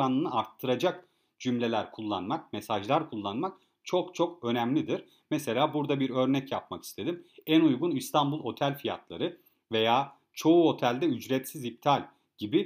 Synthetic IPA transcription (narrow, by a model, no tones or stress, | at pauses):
anˠɯnɯaɾt̪ʰːɯɾad͡ʒak̚ | d͡ʒymlʲe̞lʲæɾkʰulˠːanmak̚mesaʒlˠaɾkʰulˠːanmak̚ | t͡ʃʰo̞kt͡ʃʰo̞kø̞næmlʲid̪iɾ̥ | mɛse̞lʲaːbuɾd̪abiɾø̞ɾnɛcjapmaki̥st̪ʰe̞d̪imænujɡunist̪ʰambulˠo̞t̪ʰælʲfija̰t̪ʰlˠa̰ɾɯ | ve̞jaː | t͡ʃʰo̞uo̞t̪ʰælʲd̪ɛyd͡ʒɾɛt̪sizip̚t̪ʰalʲ | ɟ̥ibi